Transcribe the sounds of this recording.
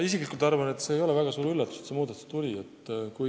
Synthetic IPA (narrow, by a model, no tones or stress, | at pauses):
is̬iklikult̪ɑrvɑne̞t̪ːse̞ːjo̞levæɡ̥ɑsuːɾylːɑt̪ːu̥set̪semuːd̪ɑt̪ːu̥st̪ulʲiet̪ːkuj